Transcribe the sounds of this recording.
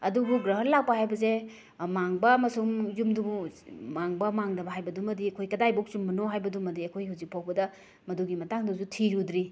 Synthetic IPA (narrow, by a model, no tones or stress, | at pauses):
ɐduɡuɡɾɐɦəllak̚pɐhajbɐze | maŋbɐmɐsuŋjumduɡumaŋbɐmaŋdɐbɐɦajbɐdumɐdiɐkʰojkɐdajbok̚sumːɐnoɦajbɐdumɐdiɐkʰojhawzik̚pʰawbɐdɐ | mɐduɡimɐtaŋdɐsutʰiɾud̪ɾi